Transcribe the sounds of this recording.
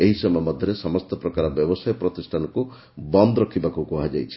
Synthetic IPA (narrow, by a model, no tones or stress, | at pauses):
eɦisɔmɔmɔd̪ʱjɔɾesɔmɔst̪ɔpɾɔkaɾɔbjɔbɔsajɔpɾɔt̪isʈʰanɔku | bɔnd̪ɔɾɔkʰibakukɔɦad͡ʒajt͡ʃʰi̥